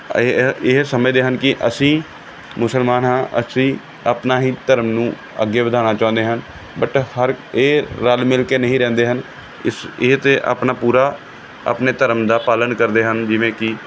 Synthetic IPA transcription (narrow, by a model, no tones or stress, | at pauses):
ɪɦsəməd͡ʒd̪eːɦənkɪʔəsĩː | mʊsəlmaːnɦãːʔəsĩː | əpnaːɦiːt̪əɾəmnũː | ə̰ɡeːʋəd̪ʱaːnaːt͡ʃãːnd̪eːɦən | bəʈhəɾeːɾalmɪlkeːnəɦĩːɾɛ̃ːnd̪eːɦən | ɪsɪɦt̪eːʔə̰ːpnaːpuːɾaː | ə̰pneːt̪əɾəmd̪aːpaːlənkəɾd̪eːɦənd͡ʒɪʋẽːkɪ